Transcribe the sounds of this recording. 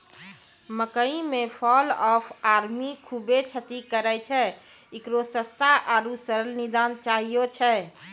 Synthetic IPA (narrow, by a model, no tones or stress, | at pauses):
məkəĩmepʰɔlɔpʰaɾmikʰubet͡ʃʰət̪ikəɾɛt͡ʃʰɛ | ikɾosəst̪ʰaʔaɾusəɾəlnid̪ant͡ʃaɦijot͡ʃʰɛ